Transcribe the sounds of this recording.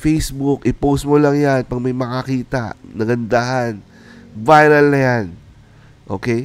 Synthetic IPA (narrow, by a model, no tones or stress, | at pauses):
fejsbukʔɪpowst̪̚molɐŋjanpɐɡ̚mɐjmɐkɐkiːt̪ɐʔnɐɡɐnd̪aːhɐn | vajɾɐlnɐjan | ʔo̞ːkɛj